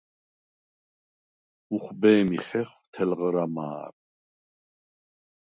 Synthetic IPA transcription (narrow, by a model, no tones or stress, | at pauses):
uχbɛːmiχɛχt̪ʰɛlʁɾama̰ːɾ